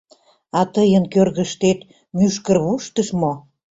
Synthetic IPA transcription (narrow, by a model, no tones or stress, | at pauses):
ɑt̪əjənkørɣə̆ʃt̪et̪ | myʃkərβuʃt̪əʃmo